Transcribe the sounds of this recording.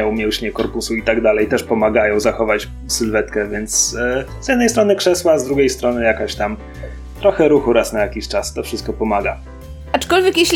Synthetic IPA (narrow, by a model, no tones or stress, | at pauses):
jɔ̃w̃mjɛwɕɲɛkɔɾpusuit̪aɡd̪alɛjt̪ɛʂpɔmaɡajɔ̃w̃zaxɔvat͡ɕ | sɘlvɛt̪kɛvʲjɛnt̪sz̥jɛd̪nɛj̪t̪ɾɔnɘkʂɛswazd̪ɾuɡʲejst̪ɾɔnɘjakaɕt̪am | t̪ɾɔxɛɾuxuɾasnajakʲiɕt͡ʂast̪ɔfʂɘst̪̚kɔpɔmaɡa | at͡ʂkɔlvʲjɛkjeɕʲ